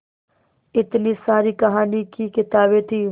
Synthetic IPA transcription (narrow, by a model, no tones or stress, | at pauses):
ɪt̪nisaːɾikɐɦaːnikikɪt̪aːbet̪ʰiː